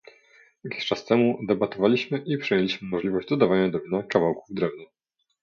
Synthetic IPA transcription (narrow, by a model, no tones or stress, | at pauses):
jakʲi̥ɕt͡ʂast̪ɛmud̪ɛbat̪ɔvalʲiɕmɘʔipʂɛjelʲiɕmɘmɔʐlʲivɔʑd͡ʑd̪ɔd̪avaɲad̪ɔvʲinakavawkuvd̪ɾɛvnɨx